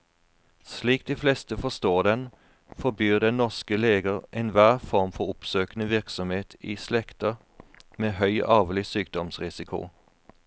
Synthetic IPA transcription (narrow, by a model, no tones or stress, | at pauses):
sliːk̚d̪iːflɛst̪əfɔst̪oːd̪ɛn | fɔbyːd̪ɛnnːɔʁskəleːɡəʁʔɛnʋæːʁfɔʁmfɔɾʊpsøːkənəʋɪʁksɔmheːt̪ʰiːslɛkt̪ə | meːɦœʏʔɑːʋlɪsyːk̚d̪ɔmsʁɪsɪkʰʊ̰